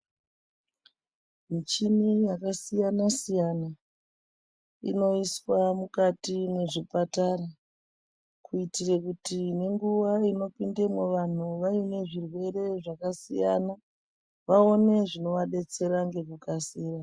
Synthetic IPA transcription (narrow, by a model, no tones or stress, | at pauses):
mit͡ʃinijakasijanasijana | ḭno̞iswamukatine̞ʐipataɾa | kuitirekutine̞ŋɡuʋaino̞pinde̞mweʋan̤uʋaine̞ʐirwe̞ɾe̞ʐakasija̰na | ʋaone̞ʐino̞ʋaɗe̞t͡se̞ɾaŋɡe̞kukasiːra